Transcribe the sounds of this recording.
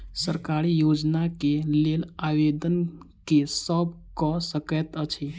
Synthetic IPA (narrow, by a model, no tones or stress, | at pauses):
səɾkaɾijod͡ʒnakelelaʋed̪ən | kesəb̚ | kɔsəkɛt̪ət͡ʃʰe